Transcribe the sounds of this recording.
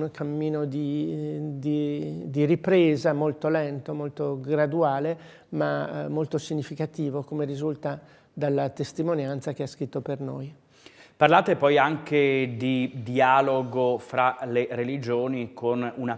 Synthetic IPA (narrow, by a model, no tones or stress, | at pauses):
nkʰamːiːnod̪i | d̪id̪iripɾeːzamolt̪olɛnt̪omolt̪oɡɾad̪uaːle | mamolt̪osiɲːifikat̪iːvokomerizult̪a | d̪alːat̪est̪imonjant̪sak̟easkɾit̪ːopernoj | parlaːt̪epɔjaŋked̪id̪iaːloɡofɾaleɾelid͡ʒoːnikʰonuna